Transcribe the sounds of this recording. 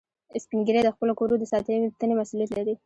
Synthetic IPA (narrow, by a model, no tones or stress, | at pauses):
ɪspiŋɡiɾed̪əxpəlokoɾod̪əsɑt̪ət̪anemasulijat̪laɾi